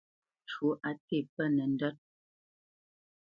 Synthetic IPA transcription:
t͡ʃu˨˦ʔa˨te˦˨pɛ˦nɛ˨n̩˦dɔ˦t̚

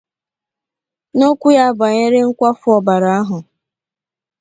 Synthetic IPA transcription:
no˦kʷu˦ja˦ba˨ɲe˦ɾɪ˦ŋ̩˦kʷa˦fʊ˦ɔ˨ba˨ɾa˨a˦ɦʊ˨

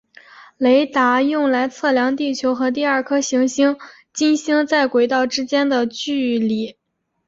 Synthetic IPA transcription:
le˧˥ɪt̪a˧˥jʊ˥˩ŋla˧˥ɪt͡sʰɤ˥˩ljɑ˧˥ŋt̪̬i˥˩t͡ɕʰjo˧˥ʊxɤ˧˥t̪̬i˥˧ɐ˞˥˩kʰɤ˥ɕi˧˥ŋɕi˥ŋ | t͡ɕi˥˩nɕi˥ŋt͡sa˥˩ɪkwe˨˩ɪt̪ɑ˥˩ʊʈ͡ʂɻ̩˥t͡ɕjɛ˥nd̪ə˨t͡ɕy˥˧li˨˩

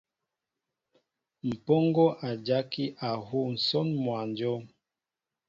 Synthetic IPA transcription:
m̩˨pɔ˦ŋɡɔ˦ʔa˨d͡ʒa˦ki˦ʔa˨ɦu˦˨n̩˨sɔ˦nmwa˨nd͡ʒɔ˦

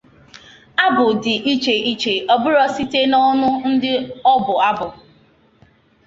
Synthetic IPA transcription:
a˦bʊ˨dɪ˨ʔi˦t͡ʃe˨ʔi˦t͡ʃe˨ɔ˨bʊ˦ɾɔ˦si˦te˦nɔ˦nʊ˦n̩˦dɪ˦ɔ˦bʊ˨a˦bʊ˨

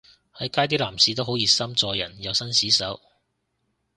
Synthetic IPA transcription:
hɐ˨˥jkaː˥jt̪̬iː˥laː˨˩msiː˧t̪o˥wɦo˨˥wjiː˨˧sɐ˥mt͡sɔː˧jːɐ̰˨˩njɐ˨˧wsɐ˥nsiː˨˥sɐ˨˥w

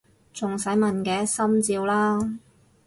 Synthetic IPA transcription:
t͡sʊ˨ŋsɐ˨˥jmɐ˨nkɛː˨˥sɐ˥mt͡siː˧wlaː˥

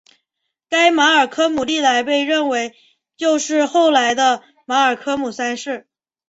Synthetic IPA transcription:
ka˥ɪma˧˥ə˞˨˩kʰɤ˥mu˨˩li˥˩t̪a˧˥ɪpe˥˧ɪɻə˥˩nwe˧˥ɪ | t͡ɕjo˥˧ʊʂɻ̩˥˧xo˥˩ʊla˧˥ɪd̪ə˧ | ma˧˥ə˞˨˩kʰɤ˥mu˨˩sa˥nʂɻ̩˥˩

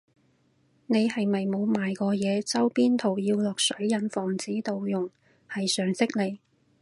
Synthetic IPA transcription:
ne˨˧jhɐ˨jmɐ˨jmo˨˧wmaː˨jkɔː˧jɛː˨˧t͡sɐ˥wpiː˥nt̪ʰo˨˩wjiː˧wlɔː˨k̚sɵ˨˥ɥjɐ˨˧nfɔː˨˩ŋt͡siː˨˥t̪o˨wjʊ˨˩ŋ | hɐ˨jsœː˨ŋsɪ˥k̚le˨˧j

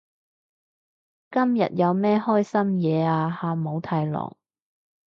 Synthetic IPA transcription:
kɐ˥mjɐ̰˨t̚jɐ˨˧wmɛː˥hɔː˥jsɐ˥mjɛː˨˧aː˧haː˨˧mo˨˧wt̪ʰaː˧jlɔ̰ː˨˩ŋ

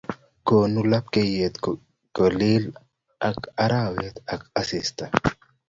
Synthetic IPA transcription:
ko˨nu˦la˦p̚ke˦je˨t̪ | kɔ˨li˦l | a˨ka˦ɾawe˦t̪a˨ka˦sɪst̪a˨

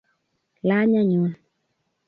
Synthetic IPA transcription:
la˦ɲa˦ɲu˨˦n

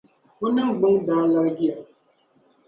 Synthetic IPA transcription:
ʊ˦na˦ɡ͡bʊ˦ŋ˦da˨˦la˦ɾɡɪ˦a˨

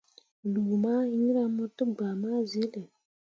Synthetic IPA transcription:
lu˨maː˦ɾa˦mɔ˦tɨ˦ɡ͡ba˨maː˦ze˦lə˨

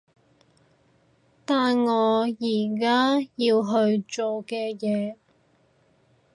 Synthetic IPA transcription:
t̪aː˨nŋɔː˨˧jiː˨˩k̬aː˥jiː˧wɦɵ˧ɥt͡ʃo˨wkɛː˧jɛː˨˧

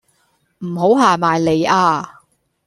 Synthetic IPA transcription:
m̩˨˩ɦo˨˥wɦaː˨maː˨jle˨˧jaː˧

